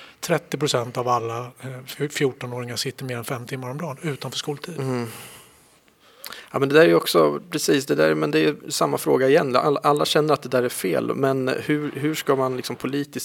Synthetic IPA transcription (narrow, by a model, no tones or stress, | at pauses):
t̪ʰɾɛt̪ːɪpɾʊsɛnt̪avalːa | fjuʈːɔnoːɾɪŋaʂɪt̪ːəɾmeːɾɛnfɛmt̪ʰɪmːaɾɔmd̪ɑːnʉ̟ːt̪anfœːʂkuːlt̪ʰiːd̪ | jɑ̰mɛnd̪ɛd̪æːɾɛjɔksɔpʰɾɛsiːsd̪ɛd̪æ̰ɾmɛnd̪ɛjɵsamːafɾoːɡaɪjɛn̰aʔalːaɕɛnːəɾat̪̚d̪ɛd̪æːɾæɾfḛːlmɛnhɵ̟ɦɵʂkamanlɪksɔmpʰʊliːt̪ɪs